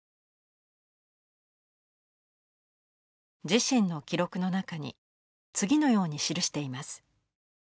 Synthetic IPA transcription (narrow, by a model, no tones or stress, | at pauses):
d͡ʑiɕĩnːo̞kʲiɾo̞kɯ̟no̞nakaɲ̟ḭ | t͡sɨɡʲino̞jo̞ːɲ̟iɕiɾɯ̟ɕi̥t̪e̞imasɨ̥